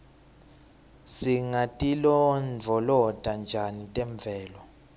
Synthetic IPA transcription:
siŋatʼilɔnd͡vʱɔlɔd̥ʱʼand͡ʒʱanitʼɛɱb̪vʱɛːlɔ

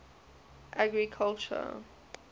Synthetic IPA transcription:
ʔaɡɹikʰalt͡ʃə̰

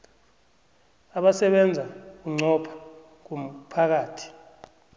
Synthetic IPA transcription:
aɓasɛɓɛnd͡zʱak̬uŋ͡ǀɔpʰḁ | k̬um̩pʰak̬aːtʰi̥

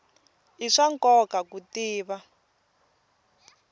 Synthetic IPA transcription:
iʂaŋkɔkakutiːβa

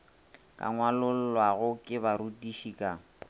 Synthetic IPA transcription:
kʼa̰ŋwalʊl̩lwaɣʊkʼɪbaɾutiʃikʼa

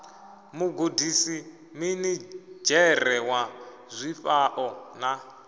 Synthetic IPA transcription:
muɡodisi | minid͡ʒɛrɛwa | zʷiɸaʔɔna

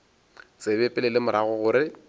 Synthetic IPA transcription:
t͡sʼebɛpʼɪlɪlɪmʊɾaɣɔɣʊɾɪ

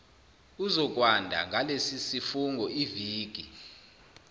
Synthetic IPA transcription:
uzɔk̬ʼwandʱa̰ŋʱalesisifuŋɡʱɔiviːk̬ʼi

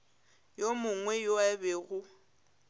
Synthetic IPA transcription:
jomʊŋwɛjoɛbɛɣʊ

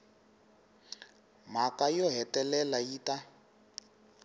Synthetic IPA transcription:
m̤akajɔɦɛtɛlɛlajiːta

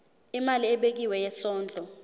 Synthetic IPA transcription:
imaliɛɓek̬iwɛjɛsɔːnd͡ɮʱɔ

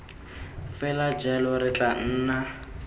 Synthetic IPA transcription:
fɛlad͡ʒɛlɔɾɪt͡ɬʼan̩ːna

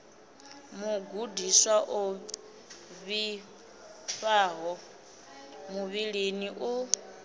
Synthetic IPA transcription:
muɡudiswaʔo | βi | ɸaːɦɔ | muβiɺeniʔu

